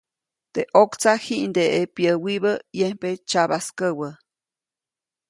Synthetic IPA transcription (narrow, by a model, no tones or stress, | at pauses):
t̪eʔokt͡sahiʔnd̪eʔepjəwiβəjempet͡ʃaβaskəwə